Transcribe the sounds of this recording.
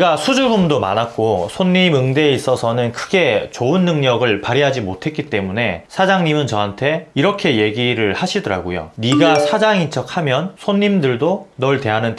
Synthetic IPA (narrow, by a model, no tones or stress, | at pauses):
ɡasʰud͡ʑuɭbumdoma̰nak̚k͈osʰonɲːimɯŋde̞is͈ʌsʰʌnɯnkʰɯɡe̞t͡ɕoɯnːɯŋɲʌɡɯɭpaɾiɦad͡ʑimotʰe̞t̚k͈it͈e̞mune̞sʰad͡ʑaŋɲimɯnt͡ɕʌɦantʰe̞iɾʌkʰe̞je̞ɡiɾɯɭhaɕʰidʌɾa̰ɡojo̰niɡasʰad͡ʑaŋint͡ɕ͈ʌk̚hamjʌnsʰonːimdɯɭdonʌɭte̞ɦanɯn